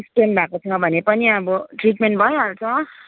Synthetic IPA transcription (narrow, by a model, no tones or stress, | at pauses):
sʈenbʱakosʰʌŋɡʌbʱʌnepʌniʌbʌʈriʈmeɳʈ̚bʱʌjoɦart͡sʰʌ